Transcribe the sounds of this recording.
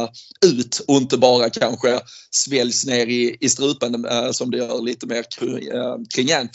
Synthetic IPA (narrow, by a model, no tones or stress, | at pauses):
ʉ̟ːt̪ɔɪnt̪əbɑːɾakʰanɧəsvɛljsneːɾɪɪst̪ɾʉ̟ːpənd̪əsɔmd̪ɛjœːɾliːt̪əmeːɾʰ | kʰɾɪŋːɛnː